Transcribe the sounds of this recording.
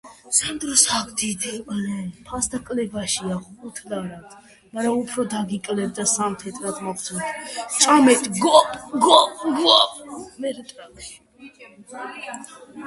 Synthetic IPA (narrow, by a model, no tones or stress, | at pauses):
samd̪ɾɔsakʰd̪id̪ɛlɛpʰasd̪akʼlɛbaʃiaχʼut̪ʰlaɾat̪ʰ | maɾaupʰɾɔd̪aɡikʼlɛb̚d̪asamt̪ʰɛt̪ʰʼɾat̪ʰmɔχsʰunt̪ʰt͡ʃʼamɛt̪ʰʼɡɔɡɔpɡapmɛɾt̪ʼɾakʃi̥